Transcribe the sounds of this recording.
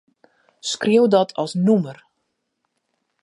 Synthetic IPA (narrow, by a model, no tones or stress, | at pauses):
skrewdɔtʰɔ̰lˠsnumər